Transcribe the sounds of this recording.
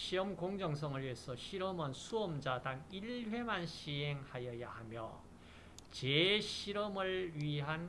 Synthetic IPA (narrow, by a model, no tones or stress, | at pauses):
ɕʰiʌmkoŋd͡ʑʌŋsʰʌŋɯɭɥesʰʌɕʰiɾʌmɯnsʰuʌmd͡ʑadaŋiɭɸwe̞manɕʰiɦeŋhajʌjahamjʌ | t͡ɕeɕʰiɾʌmɯɭɥiɦan